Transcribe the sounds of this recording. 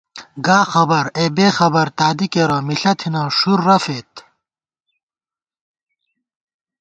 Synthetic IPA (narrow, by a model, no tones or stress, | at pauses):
ɡaːxɐbɐɾebeːxɐbɐɾt̪aːd̪ikeɾɐmiɬɐt̪ʰinãːʂuɾːɐfet̪